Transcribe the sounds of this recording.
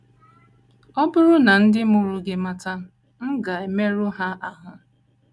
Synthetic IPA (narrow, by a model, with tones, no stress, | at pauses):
ɔ˦bʊ˦ɾʊ˦na˨n̩˦dɪ˦mʊ˦ɾʊ˦ɡɪ˦ma˦ta˦ | m̩˦ɡa˨e˨me˦ɾʊ˦ɦa˦ʔa˨ɦʊ˦